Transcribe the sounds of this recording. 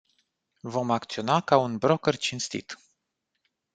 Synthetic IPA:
vo̞mak̚t̪sio̞nakaunbɾo̞kərt͡ʃinst̪ḭt̪

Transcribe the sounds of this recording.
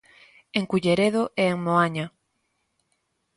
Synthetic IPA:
eŋkuʎeɾeðoʔeeŋmoaɲa

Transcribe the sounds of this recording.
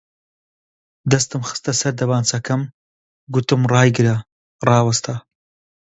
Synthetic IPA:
d̪ɐst̪ɨmxɨ̥st̪ɐsɐɾd̪ɐbaːnt͡sʰɐkʰɐm | ɡut̪ɨmrɑːjɡɨɾɐ | rˤɑːwɐst̪ʰɐ

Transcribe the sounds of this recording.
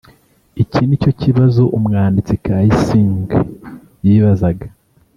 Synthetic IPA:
icʰinico̞ciβazoʔumŋaːndit͡sikaːjisiːŋɡa | jiːβazaɡa

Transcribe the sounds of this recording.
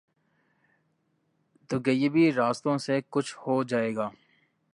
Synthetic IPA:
t̪ʊɡɐjebiɾaːst̪õːsekʊt͡ʃʰhoːd͡ʒaːeːɡaː

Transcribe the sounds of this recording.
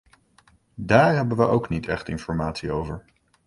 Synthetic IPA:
daːɹɦɛbənʋəʔowknitɛχtɪnfɔɹmaːtsiowvəɹ

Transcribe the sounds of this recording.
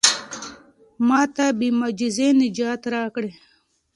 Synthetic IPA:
mɑːt̪abimad͡ʒizenɪd͡ʒaːt̪ɾaːkɽe

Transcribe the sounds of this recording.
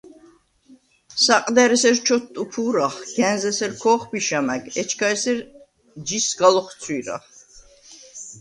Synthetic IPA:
saqʼd̪ɛɾɛsɛɾt͡ʃʰɔt̪ʼːupʰuːɾaχɡ̥ɛ̃nzɛsɛɾkʰɔːχbiʃamæɡɛt͡ʃʰkʰaɛsɛɾ | d͡ʒisɡalɔχt̪sʰwiɾa̰χ

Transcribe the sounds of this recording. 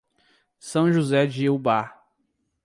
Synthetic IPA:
sɐ̃w̃ʒuzɛd͡ʒiiwba

